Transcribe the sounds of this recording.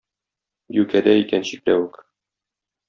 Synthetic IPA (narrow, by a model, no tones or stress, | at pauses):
jʉkæd̪æikænɕiklæwɘk